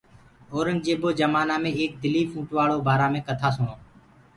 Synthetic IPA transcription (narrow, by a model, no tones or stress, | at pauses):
oːɾənd͡ʒeːboːd͡ʒəmaːnaːmẽːeːk̚d̪ɪlːiːfʰũːʈʋaːɭoːbaːɾaːmẽːkət̪ʰaːsʊɳoː